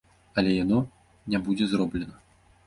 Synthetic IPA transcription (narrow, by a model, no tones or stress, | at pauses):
alʲɛjanɔ | nʲabud͡zʲɛzrɔblʲɛnə